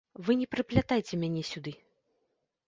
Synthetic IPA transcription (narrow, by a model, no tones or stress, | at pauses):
vɨnʲɛpɾɨplʲat̪ajt͡sʲɛmʲanʲɛsʲud̪ɨ